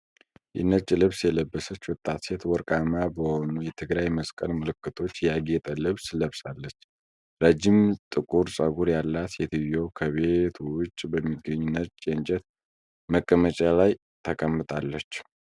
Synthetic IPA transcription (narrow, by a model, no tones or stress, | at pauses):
ʔɪ̰nːət͡ʃʼːlɨβsjɛləbːəsət͡ʃːwʊt̪ʼːat̪se̞t̪wɔɾkʼamabəho̞nujɛt̪ʰɨɡɾajməskʼəlmɨlɨkːɨt̪ʰo̞t͡ʃːjaɡet̪ʼəlɨβsləβsalːət͡ʃː | ɾəd͡ʒːimt̪ʼɨkʼuɾsʼəɡuɾjalːat̪jɛt̪ʰijo̞kʰəβet̪ʰwʊt͡ʃʼːbəmːiɡːəɲːunːət̪t͡ʃʼent͡ʃʼɛt̪ | məkʼːəmət͡ʃʼalaj | t̪ʰəkʼəmːɨt̪ʼalːət͡ʃː